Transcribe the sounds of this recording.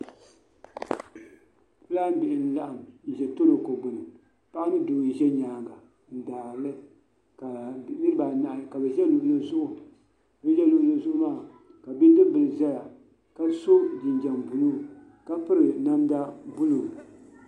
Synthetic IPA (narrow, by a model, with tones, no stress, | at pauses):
pɨ˦laː˦n˦bɪ˨ʔɪ˨n̩˦la˦ʔa˨m̩˨ʒɛ˨to˦lo˨ko˨ɡ͡bʊ˨nɨ˨ | pa˦ʔa˦nɨ˦doː˨n̩˨ʒɛ˦ɲaː˨ɡa˨ | n̩˨daː˨lɨ˦ | ka˨˦nɨ˦ɾɨ˦ba˨na˨ʔka˨bɛ˨ʒɛ˦lʊ˨ʔla˦zʊ˦ʔʊ˨ | bɛ˦ʒɛ˦lʊ˨ʔla˦zʊ˦ʔʊ˦maː˦˨ | ka˨bi˦n˦dɨ˦bɨ˨lɨ˨za˦ja˨ | ka˦so˦d͡ʒi˨n˨d͡ʒɛ˨mbu˨lo˦ | ka˦pɨ˦ɾɨ˨na˦mda˦bʊ˦lo˨